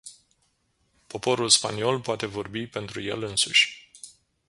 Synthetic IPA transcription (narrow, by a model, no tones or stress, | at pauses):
po̞po̞ɾulspa̰nio̞lpoat̪e̞vo̞rbipe̞nt̪ɾuje̞̰lɨnsuʃʲ